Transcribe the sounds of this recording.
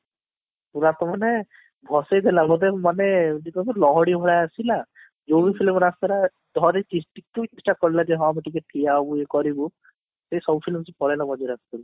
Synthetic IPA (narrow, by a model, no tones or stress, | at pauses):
puɾat̪ɔmane | bʱɔsejd̪ʱelabɔd̪emanenik̪ɔmɔlɔɦɔɽibʱɔɽajasila | d͡ʒoɡipʰilmɾast̪ɔɾa | d̪ʱɔɾet͡ʃisʈik̚t̪ut͡ʃesʈakɔɾilad͡ʒeɦɔamiʈikeʈʰijabuekɔɾibu | sejsɔbupʰilmsipɔɾajlabɔd͡ʒɔɾast̪ɔl